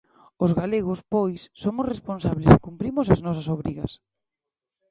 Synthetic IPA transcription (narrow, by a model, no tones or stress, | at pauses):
ʊzɣaleɣ̞ʊspojsːomʊsresponsaβlɪsɪkumpɾimʊsaznɔsɐsoβɾiɣɐ̰s